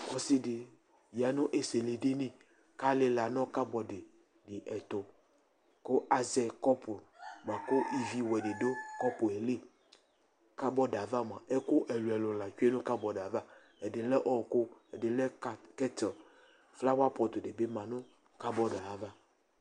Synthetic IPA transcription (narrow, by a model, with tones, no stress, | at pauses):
kɔ˨si˦de˨ | ja˨nũ˦ʔe˨se˨le˨ɖe˦nẽ˦ | ka˦le˦la˨nɔ̃˦ka˦bɔ˨ɖe˨ | ɖe˨ʔɛ˨t̪o˨ | ko˦a˨zɛ˨kɔ˦po˨mã˨ko˦ʔi˦˨vi˦wɛ˨ɖe˨do˦kɔ˦po˨e˨le˦ | ka˦bɔ˦ɖa˨va˦mã˨ʔe˦ko˦ʔɛ˨lu˨ɛ˨lo˨la˨t͡ʃu˦e˦nũ˦ka˦bɔ˨ɖa˨va˦ | ɛ˨ɖe˨lɛ˦ʔɔ˨ko˦ɛ˨de˨lɛ˦˨kɛ˦t̪ | fla˦wa˦pɔ˨t̪o˨de˨be˦mã˨nõ˦ | ka˦bɔ˦ɖa˨va˦